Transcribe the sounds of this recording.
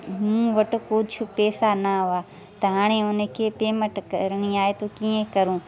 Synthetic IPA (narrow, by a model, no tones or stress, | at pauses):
mũːʋɐʈʊ̆koːt͡ʃʰʊpɛːsanaɦʊaː | t̪ɐɦaːɽ̃eʊnə̆kʰeːpeːməʈkɐ̰ɾɽ̃iaːet̪ʰoːkiẽkɐɾũː